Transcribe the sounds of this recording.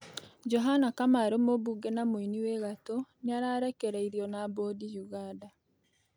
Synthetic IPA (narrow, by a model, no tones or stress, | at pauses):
d͡ʒoɦanakamaɾomoβuɡenamoiniweɣatoniaɾaːɾekeɾeiɾionabodijuɣada